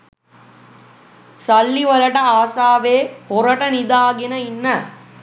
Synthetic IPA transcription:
sɐlːiʋɐlɐʈɐaːsaːʋeːhoɾɐʈɐnid̪aːɡenɐinːə

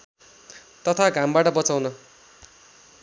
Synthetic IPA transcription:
t̪ʌt̪ʰaɡãmbaʈʌbʌt͡sawnʌ

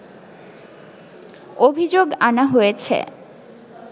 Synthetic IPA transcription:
obʱid͡ʑoɡanaɦojet͡ɕʰḛ

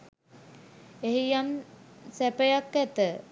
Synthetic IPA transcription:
eɦijamsæpəjakːæt̪ə

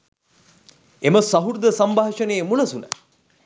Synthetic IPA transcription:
eməsɐɦuɾd̪əsambʱaːʃəneːmulɐsunə̰

